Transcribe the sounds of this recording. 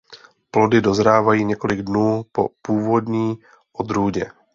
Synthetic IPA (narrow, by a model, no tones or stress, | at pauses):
plo̞dɪdo̞zɾaːvajiːɲɛko̞lɪɡdnuːpo̞̰puːvo̞dɲiː | ʔod̪ɾuːɟɛ